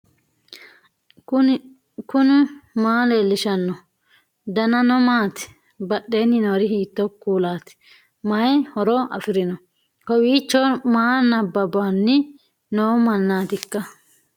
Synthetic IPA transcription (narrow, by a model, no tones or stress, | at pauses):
kʊnɪmaːleːlːɪʃɐnːɔ | d̪ɐnɐnɔmaːt̪ɪ̥ | bɐɗːe̞ːnːɪnoːɾɪhiːt̪ːɔkːuːlaːt̪ɪ̥ | mɐjhɔɾɔʔɐ̰fɪɾɪnɔ | kɔwiːt͡ʃːɔmaːnɐbːɐbaːnːɪ | noːmɐnːaːt̪ɪkːɐ